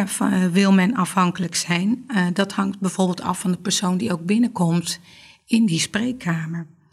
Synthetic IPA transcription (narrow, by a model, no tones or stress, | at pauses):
ʋɪlˠmɛnɑfɦɑŋkələksɛjndɑthɑŋt̚bɛjv̥oːɹbɪːlˠtɑ̰fɑndəpəɹsowndiowɡ̚bɪnəkɔmt | ɪndisprejkʰːaːməɹ